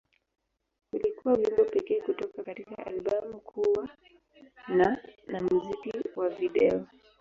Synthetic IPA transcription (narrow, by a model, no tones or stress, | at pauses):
ulikuwaujimbɔpɛkɛːkutɔkakatikaa̰lɓamukʰuwa | nanamm̩zikiwaviɗɛɔ